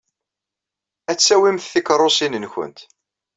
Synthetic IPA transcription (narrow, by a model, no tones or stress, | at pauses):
æt͡sːæwimθθikɾˤosinənçʊ̰nt̪